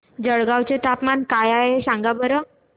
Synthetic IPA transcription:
d͡zəɭɡawt͡set̪apmankajaɦesãŋɡabəɾə

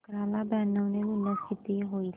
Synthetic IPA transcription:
kɾaːlabɛːnːəwneɡʊləst̪ʰɪt̪iɦoːi

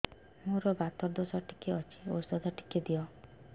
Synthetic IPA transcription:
moɾɔbat̪ɔɾd̪osɔʈʰi̥keɔt͡ʃʰi̥o̰sd̪ɔd̪ʱɔʈʰi̥ked̪iɔ

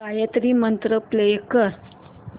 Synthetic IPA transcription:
ajət̪ɾimənt̪ɾəplekəɾ

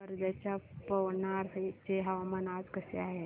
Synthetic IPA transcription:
əɾd͡zat͡ɕjapəʋɳaɾt͡ɕeɦəʋamənad͡zkəsḛaɦe

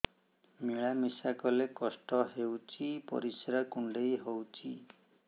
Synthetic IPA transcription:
miɭamisakɔlekɔsʈɔɦewt͡ʃʰipɔ̰ɾisɾakuɳɖejɦɔwt͡ʃʰi

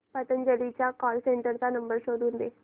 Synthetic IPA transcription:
pət̪ənd͡ʒəliːt͡ʃaːkɔːlsẽːɳʈəɾd̪aːnəmbəɾʃoːɾund̪eː

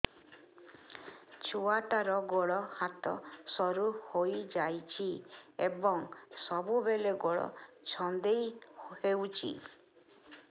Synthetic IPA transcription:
t͡ʃʰuaʈaɾɔɡoɭɔhat̪ɔ̰sɔɾuhojd͡ʒajt͡ʃʰiebɔŋsɔbubeleɡoɭɔ̰ | t͡ʃʰɔnd̪ejhewt͡ʃʰḭ

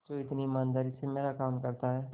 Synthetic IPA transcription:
t̪oɪt̪nimaːnd̪əɾisemeːɾakaːmkɐɾt̪aɦɛː

